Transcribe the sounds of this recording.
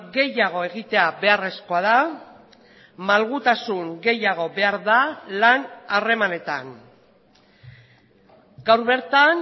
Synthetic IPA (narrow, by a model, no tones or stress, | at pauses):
ɡe̞jaɣ̞o̞e̞ɣ̞it̪e̞abe̞are̞sko̞aða | malɣ̞ut̪asuŋɡe̞jaɣ̞o̞βe̞aɾðalanare̞mane̞t̪a̰n | ɡawɾβe̞ɾt̪an